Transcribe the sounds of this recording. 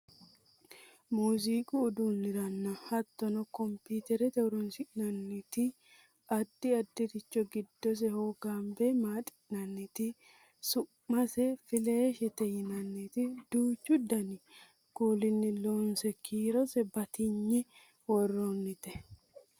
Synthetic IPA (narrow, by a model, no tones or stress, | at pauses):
muːs̬iːkʼʊːd̪unːɪɾɐnːɐhɐt̪ːɔnɔkɔmpiːt̪ɛɾɛt̪ɛwʊɾɔnsɪʔnɐnːɪt̪ɪ | ɐd̪ːɪɐd̪ːɪɾɪt͡ʃːɔɡɪd̪ːɔs̬ɛhoːɡambɛmaːt̪ʼɪ̥nɐnːɛt̪ɪ | sʊː | ɐsɛfɪleːʃɛt̪ɛjɪnɐnːɪt̪ɪd̪̥uːt͡ʃːʊd̪ɐnɪ | kuːlɪnːɪloːnsɛkʰiːɾɔsɛbɐt̪ɪɲːɛ | wɔrːonːɪt̪ɛ